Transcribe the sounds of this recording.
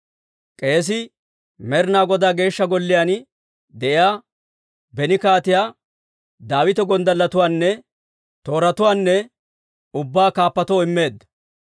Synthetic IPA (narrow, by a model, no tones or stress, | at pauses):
kʼe̞ːs̬ɪ | mɛɾnaːɡɔd̪aːɡe̞ːʃːɐɡɔlːɪjan | d̪ɛʔɪjaː | bɛnɪkaːt̪ɪjaː | d̪aːwɪt̪ɛɡɔnd̪ɐlːɐt̪ʊwaːnːɛ | t̪o̞ːɾɐt̪ʊwaːnːɛ | ʊbːaːkaːpːɐt̪ɔɪmːe̞ːd̪ːɐ̥